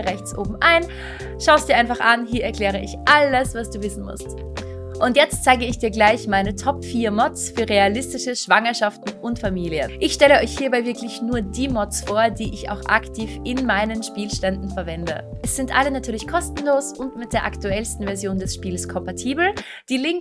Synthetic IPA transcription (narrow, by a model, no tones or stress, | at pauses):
ʁɛçt͡sʔo̰ːbm̩ʔaɪn | ʃaʊəstd̥iːɐaɪnfaχʔanɦiːɐɛɐkʰl̥ɛːʁ̞əʔɪçʔaləsv̥asd̥uːvɪsn̩mʊ̰st | ʔʊntjɛt͡stt͡saɪɡəɪçd̥iːɐɡlaɪçmaɪnətʰɔpfiːɐmɔt͡sfyːɐʁealɪstɪʃəʃv̥aŋɐʃaftn̩ʔʊntfamiːliəʔɪçʃtɛləɔʏçhiːɐbaɪvɪɐklɪçnuːɐdiːmɔt͡sfoːɐdiːʔɪça̰ʊxʔa̰ktʰiːfʔɪnmaɪnənʃpiːlʃtɛndn̩fɛɐvɛndə̰ʔɛsz̥ɪntʔalənatʰyːɐlɪçkʰɔstn̩loːsʔʊntmɪt̚d̥eːɐʔaktuɛlstn̩vɛɐzjoːndɛsʃpiːlskʰɔmpatʰiːbl̩ | d̥iːlɪŋ